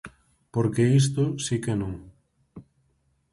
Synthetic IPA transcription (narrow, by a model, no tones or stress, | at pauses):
poɾkeist̪osikenõŋ